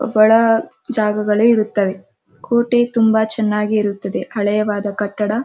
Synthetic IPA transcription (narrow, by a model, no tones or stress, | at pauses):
ʋɐɭɐ | d͡ʒaːɡɐɡɐɭuiɾut̪ːɐʋe̞ | kʰoːʈe̞t̪umbɐt͡ʃɛnːaːɡiːɾut̪ːɐd̪e̞ɐɭɐjɐʋaːd̪ɐkɐʈːɐɽɐ